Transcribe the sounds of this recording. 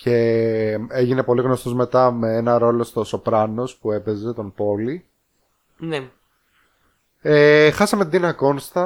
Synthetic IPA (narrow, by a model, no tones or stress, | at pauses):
ce̞ | eʝine̞po̞liɣno̞st̪o̞zme̞t̪ɐme̞enɐɾo̞lo̞st̪oso̞pɾɐno̞spue̞pe̞ze̞t̪o̞npo̞li | ne | exɐsɐmet̪id̪inɐko̞nst̪ɐ